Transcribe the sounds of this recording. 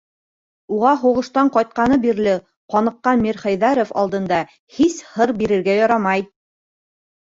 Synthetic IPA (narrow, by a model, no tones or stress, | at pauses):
uʁɑɦuʁɤ̆ʃt̪ɑɴqɑjt̪̚qɑnɤbiɾlɘ | qɒnɤ̆qːɑnmiɾχæjðæɾofɑ̰lˠd̪ɤ̆nd̪ɑ | hishɤɾbiɾɘ̆ɾɡæjɒɾɑmɑj